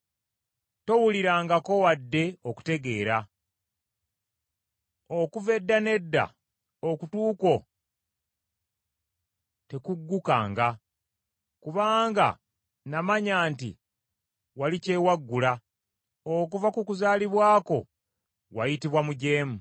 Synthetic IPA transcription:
to̞wuliɾaːŋɡako̞wadːe̞o̞ku̥te̞ɡe̞ːɾa | okuve̞dːane̞dːa̰ | okutuːko̞ | te̞kuɡːukaːŋɡa | kuβaːŋɡa̰ | namaɲaːntḭ | walice̞waɡːula | ok̬uvakukuzaːliβwaːko̞̰ | wajitiβwamuɟe̞ːmu

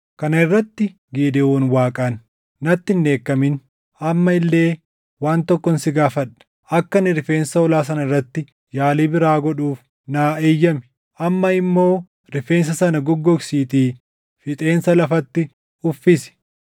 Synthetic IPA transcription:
kɐnɐɪrːɐt̪ːɪ | ɡiːd̪ɪoːnwaːkʼɐnː | ɐt̪ːɪnːe̞ːkːɐmɪn | ɐmːɐɪlːe̞ː | waːnt̪ɔkːɔnsɪɡaːfɐᶑɐ̥ | ʔɐkːɐnɪɾɪfeːnsɐɔlaːs̬ɐnɐɪrːɐt̪ːɪ | jaːliːbɪɾaːɡɔᶑuːf | naːeːjːɐmɪ | ʔɐmːɐɪmːo̞ː | ɾɪfe̞ːns̬ɐsɐnɐɡɔɡːɔksiːt̪iː | fɪt̪ʼe̞ːnsɐlɐfɐt̪ːɪ | ʊfːɪsɪ̥

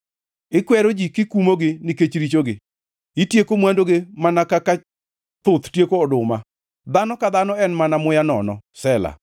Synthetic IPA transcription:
ɪkwɛɾod͡ʒikɪkumoɡɪnɪket͡ʃɾit͡ʃoɡɪ | ɪtjekomwandoɡemanakaka | t̪ʊt̪tjekoɔdʊma | d̪anɔkad̪anɔɛnmanamʊjanɔnɔsɛla̰

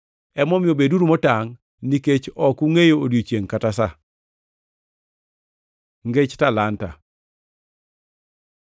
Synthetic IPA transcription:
ɛmɔmɪjobeduɾumɔtaŋ | niket͡ʃɔkuŋejoodjot͡ʃjeŋkatasa | ŋɡet͡ʃtalanta̰

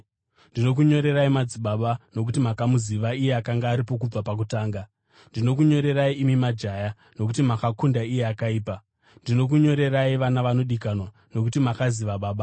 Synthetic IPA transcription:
ndino̞k̬uɲo̞ɾe̞ɾaimad͡ziɓaɓano̞k̬utimakamuziʋaije̞akaŋɡaːɾip̬o̞k̬ub͡vapak̬utaːŋɡa | ndino̞k̬uɲo̞ɾe̞ɾaiʔimimad͡ʒaja | no̞k̬utimakakundaije̞akaiːpa | ndino̞k̬uɲo̞ɾe̞raiʋanaʋano̞ɗikanwa | no̞k̬utimakaziʋaɓaːɓa

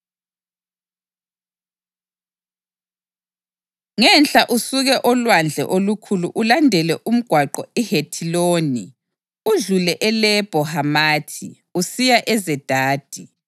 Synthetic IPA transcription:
ŋɛnɬʼaʔusuɣɛʔɔlwand͡ɮʱɛ̰ʔolukʰuluʔulandʱɛlɛʔum̩ɡ̥ʱwaǃɔɛhetʰiloːni | uɮulɛʔɛlɛb̥ʱɔhamaːtʰḭ | usijaʔɛzɛd̥ʱaːd̥ʱi

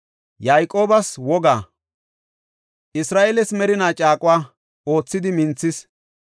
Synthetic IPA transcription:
jajkʼo̞ːbɐswɔɡaː | ʔɪsɾaːʔelɛsmɛɾɪnaːt͡ʃʼaːkʼʊwaː | o̞ːt͡sːɪd̪ɪmɪnt͡sːɪs

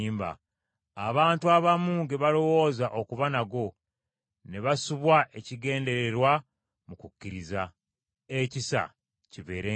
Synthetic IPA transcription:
mba̰ | aβaːntuaβamuːŋɡeβalo̞wo̞ːzaʔo̞kuβanaɡo̞ | neβasuβwaʔe̞ciɡe̞ːnde̞ɾe̞ɾwa | mukukːiɾiza | ecisa̰ | ciβe̞ːɾe

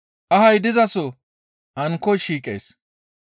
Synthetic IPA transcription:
ʔɐhɐjd̪ɪzɐsɔ | ʔɐŋkːɔjʃiːkʼḛjs

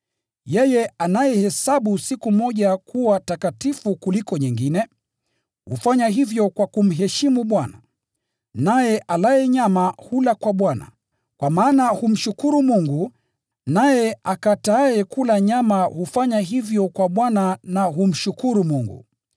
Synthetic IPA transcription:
jɛjɛanajɛhɛsaɓusikumɔʄakʰuwatakatifukulikɔɲiŋɡinɛ | hṵfaɲaɦivjɔkwakum̩ɦɛʃimuɓwana̰ | najɛʔalaɛɲamahulakwaɓwana̰ | kwamaːnahum̩ʃukuɾumuŋɡu | najɛakataːɛkulaɲamahufaɲaɦivjɔkwaɓwananaɦum̩ʃukuɾumuŋɡṵ

